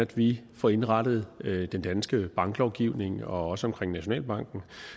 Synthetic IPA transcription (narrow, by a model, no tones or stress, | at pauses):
æd̥ʋifɒe̝nʁɑ̈d̥əð̞̩ˠd̥end̥ænsɡ̥əb̥ɑ̈ŋɡ̥lɒʊɡ̥iʊne̝ŋɒ̽ɒ̽səɒ̽mkʰʁeŋnæɕo̝nɛ̰ːlb̥ɑ̈ŋ̰ɡ̥n̩